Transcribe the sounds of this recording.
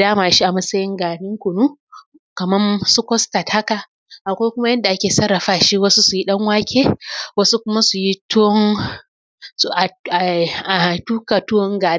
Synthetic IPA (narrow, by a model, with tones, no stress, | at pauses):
daː˦maː˨ʃi˦ʔa˨mɐ˦sɐ˦jɪ˦ŋɡaː˨nɪ˦ŋkʷʊ˨nuː˦ | kɐ˨mɐ˦msu˦kʷɔ˦stɐ˨tha˦ka˨ | ʔa˨kʷa˦jkʷʊ˦ma˦jɐ˦nda˨ʔa˦kʲeː˨sɐ˦rːɐ˨ɸaː˦ʃi˦wɐ˦su˦su˨ji˦ɗɐ˦ŋwaː˦kʲʰeː˦wɐ˦su˦kʷʊ˦ma˦su˨ji˦tʊ˦ŋ | sʔa˨a˨a˨tu˦ka˨tʊ˦ɔ˦ŋɡaː˨˦